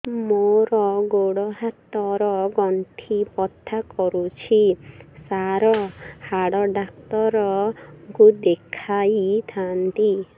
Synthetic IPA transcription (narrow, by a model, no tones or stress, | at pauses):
moɾɔɡoɽɔɦat̪ɔɾɔɡɔnt̪ʰipɔt̪ʰːakɔɾut͡ʃʰisaɾɔhaɽɔɖak̚t̪ɔɾɔkud̪ekʰajt̪ʰant̪i